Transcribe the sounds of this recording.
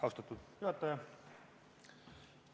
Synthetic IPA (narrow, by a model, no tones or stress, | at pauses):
ɑust̪ɑt̪ːˑud̪juɑt̪ːɑjɑ